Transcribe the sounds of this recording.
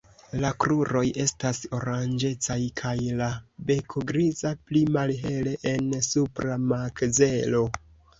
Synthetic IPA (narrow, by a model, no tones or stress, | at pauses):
lakɾuɾo̞je̞staso̞ɾand͡ʒe̞t͡sajkʰajlabe̞kʰoɡɾizaplimalɦe̞leʔensupɾamakze̞lo̞